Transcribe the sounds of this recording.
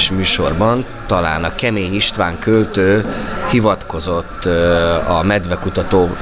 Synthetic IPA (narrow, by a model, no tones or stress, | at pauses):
ʃmyːʃo̞rbɒn | t̪ɒla̰ːnɒkɛmeːɲiʃt̪ʋaːŋkølt̪øːhivɒt̪ko̞zo̞t̪ːɒmɛd̪vɛkut̪ɒt̪oː